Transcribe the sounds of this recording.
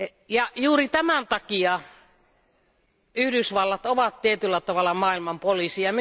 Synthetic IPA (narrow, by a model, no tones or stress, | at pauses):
jɑjuːrit̪æmænt̪ɑkiɑ | yhdysʋɑlːɑt̪oʋɑt̪t̪iet̪ylːæt̪ɑʋɑlːˑɑmɑːilmɑmpolisiɑmi